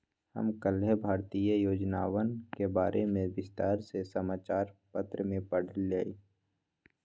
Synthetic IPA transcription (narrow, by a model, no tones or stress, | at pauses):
hə̰mkəlebʱaːɾt̪iːjəjoːd͡ʒnaːwənkebaːɾʔemẽʋɪst̪aːɾsesəmaːt͡ʃaːɾpət̪ɾəmẽpəɽ̤əlːaːiː